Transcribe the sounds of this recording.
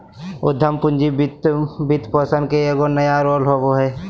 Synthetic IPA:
ʊd̪ʱːəmpʊnd͡ʒibt̪bit̪pəsənkeeːɡonəjaɾoːlɦoboɦɛː

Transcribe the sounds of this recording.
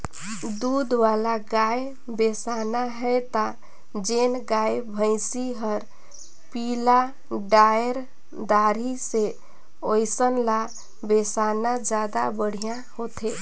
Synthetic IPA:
d̪ud̪ʋalaɡaj | besanaɦɛt̪a | d͡ʒenɡajbʱə̃ɪsiɦəɾ | pila | ɖajəɾ | d̪aɾise | ojsənla | besanad͡ʒad̪a̰bəɽ̤ijã | hot̪ʰe

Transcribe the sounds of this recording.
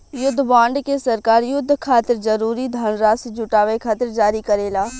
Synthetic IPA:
jʊd̪ʱːbaːɳɖkesɐɾkaːɾjʊd̪ʱːkʰaːt̪ɪɾzɐɾuːɾid̪ʱɐnɾaːsd͡ʒʊʈaːʋekʰaːt̪ɪɾd͡ʒaːɾikɐɾeːlaː

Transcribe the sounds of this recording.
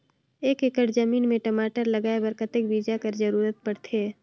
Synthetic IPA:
eːkɪkəʈzəmiːnmẽʈəmaːʈəɾlɐɡaːebəɾkət̪ɪkbiːd͡ʒakəɾzəɾuːɾət̪̚pəɽt̪ʰeː

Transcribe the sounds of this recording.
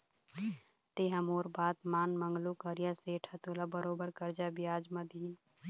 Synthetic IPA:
t̪eːɦɐmoːɾbaːt̪maːnmə̃ŋɡlukəɾjaseːʈʰat̪oːlabəɾoːbəɾkəɾd͡ʒabijaːd͡ʒmɐd̪ʱiː

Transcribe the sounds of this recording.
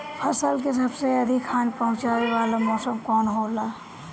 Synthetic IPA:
pʰɐsəlkes̬əbseɐd̪ʱikʰaːnpəɦʊ̃t͡ʃaːweʋaːlamɔːsəmkɔːnɦoːlaː

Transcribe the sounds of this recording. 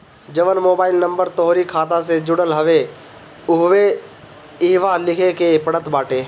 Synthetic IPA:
d͡ʒəʋənmoːbaːɪlnə̃mbəɾt̪ɔɦɾikʰaːt̪̬ased͡ʒʊɽəlɦəʋe | ʊɦʋe | iːʋalɪkʰekepəɽət̪baːʈeː

